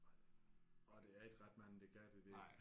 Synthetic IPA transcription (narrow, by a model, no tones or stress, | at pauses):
ɒ̽d̥e̝æɐe̝ɡ̥ʁad̥mæn̰̩d̥eɡ̥æɐd̥ed̥e̥